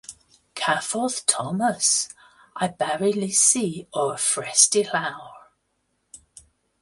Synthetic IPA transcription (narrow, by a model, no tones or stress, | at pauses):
kʰafɔˑθtʰɒməs | ʔaɪbɛɹilisiːəəfɹɛstilaʊə